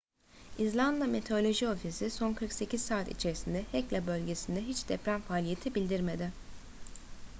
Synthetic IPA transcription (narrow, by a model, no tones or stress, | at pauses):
izlʲˠand̪lˠamet̪ʰeo̞lʲo̞ʒio̞fisiso̞nkʰɯɾkse̞cʰizsaːt̪ḭt͡ʃʰe̞ɾisind̪ɛhɛclʲɛbø̞lʲɟe̞sind̪ɛɦit͡ʃd̪ɛpɾænfaːlʲije̞t̪ʰibilʲd̪iɾme̞d̪ɪ